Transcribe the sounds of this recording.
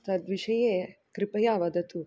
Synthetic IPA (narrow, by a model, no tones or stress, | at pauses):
t̪ɐd̪ʋiʃɐjeːkɾipɐjaːʋɐd̪ɐt̪u